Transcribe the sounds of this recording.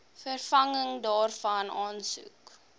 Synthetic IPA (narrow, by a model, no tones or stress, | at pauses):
fərfɐŋəŋdɑːrfɐnɑːnsṵk